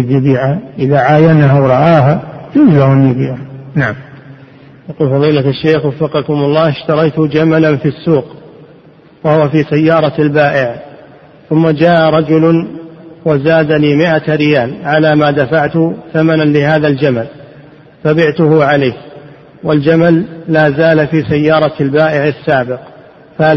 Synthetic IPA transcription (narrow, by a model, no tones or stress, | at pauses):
djɪbiːʕaʔɪðaʕaːjanahawɾˤɑʔaːɦad͡ʒuːzlahanjɪbiːʕanaʕam | jɑquːlfɑðˤiːlat̪aʃːeːxwɑfːɑqɑkʊmʊlˤːɑːɪʃt̪ɑɾˤɑjt̪ʊd͡ʒamalanfisːuːq | wahʊwafiːsajːɑːɾˤɑalbaːʔɪʕ | θʊmːad͡ʒaːʔɾˤɑd͡ʒʊlʊnwazaːd̪aliːmɪʔaɾɪjaːlʕalaːmaːd̪afaʕt̪ʊθamananlɪhaːðald͡ʒamal | fabɪʕt̪ʊhʊʕalaːk | wald͡ʒamalːaːzaːlafiːsajːɑːɾˤɑlbaːʔɪʕasːaːbɪq | fa